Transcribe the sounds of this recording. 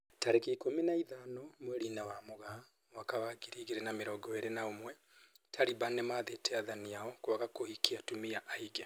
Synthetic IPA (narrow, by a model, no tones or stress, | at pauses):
taɾekikominaiðanɔmwɛɾinawamoɣa | wakawaɡiɾiɣeɾenameɾɔɡɔeɾenaomwɛ | tʰaɾibanemaðetɛaðaniaɔkwaɣakohikiatumiaʔaiɣɛ